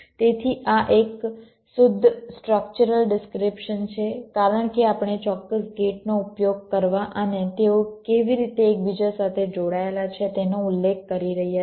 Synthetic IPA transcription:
t̪et̪ʰiʔaʔek | sʊd̪ʱːsʈɾək̚t͡ʃuɾəlɖɪskɾɪpʃənt͡ʃʰekaɾəɳ̃keapɳ̃et͡ʃɔkːəsɡeʈ̚noupjoɡ̚kəɾʋaʔənet̪eokeʋiɾit̪eːk̚bid͡ʒasat̪ʰed͡ʒoɽaelat͡ʃʰet̪enoulːek̚ʰkəɾiɾəɦija

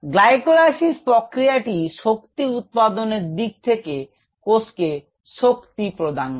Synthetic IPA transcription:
ɡlajkolaʃispɾokɾijaʈiʃokt̪iut̪̚pad̪oneɾd̪ik̚t̪ʰeke | koske | ʃokt̪ipɾod̪an

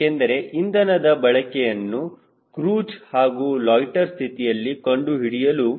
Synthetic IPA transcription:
end̪ɐɾe̞ʔind̪ɐnɐd̪ɐbɐɭɐkɛjɐnːu | kɾuːd͡ʒhaːɡuːlɔːjʈɐɾst̪ʰit̪ijɐlːikɐɳɖuɦiɽijɐlu

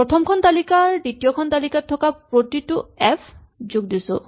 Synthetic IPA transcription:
pɹɔtʰɔmkʰɔntalikaɹditijɔkʰɔntalikatʰːɔkapɹotitʊɛpʰ | zoɡ̚disʊ̰̃

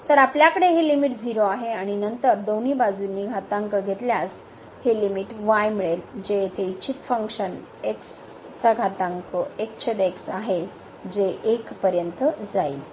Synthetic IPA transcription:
t̪əɾapljakəɽeɦelimiʈd͡ziɾoaɦeaɽ̃inənt̪əɾd̪oniːbad͡zunːiːɡʱat̪ãŋkəɡʱet̪ljas | helimiʈʋajmiɭeld͡ʑejet̪ʰeit͡ɕit̪fəŋkɕən | eks | t͡saɡʱat̪ãŋkəekt͡ɕʰəd̪eksaɦe | d͡ʑeʔekpəɾjənt̪əd͡zai

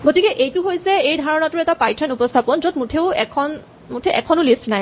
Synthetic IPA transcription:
ɡotikɛʔejtʊɦojsɛejdʱaɹɔnatʊɹɛtapajtʰɔnupɔstʰapɔnzod̚mutʰeʊɛkʰɔn | mutʰɛʔɛkʰɔnʊlistnaj

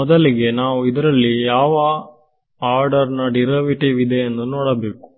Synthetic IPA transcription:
ɔd̪ɐliɡe̞naːʋuid̪ɐɾɐlːijaːʋɐ | aːɾɖɐɾnɐɖiɾɐʋiʈiʋid̪eend̪unoːɽɐbe̞ːku̥

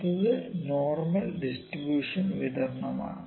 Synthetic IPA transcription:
t̪ɐðɨnoːrmɐlɖisʈribjuːʂɐnʋid̪ɐɾnɐma̰ː

